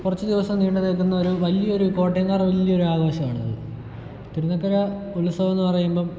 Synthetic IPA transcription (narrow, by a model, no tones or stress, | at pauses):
kurɐt͡ɕːud̪iʋɐsɐmniːɳɖunilkunːɐoɾuʋɐlijɐoɾuko̞ːʈːjeŋːaːrʋɐlijɐo̞ɾuaːɣoːɕɐma̰ːɳunːɐðɨ̰ | t̪iɾunːɐkːɐɾɐulusɐʋɐnːupɐrɐjumboː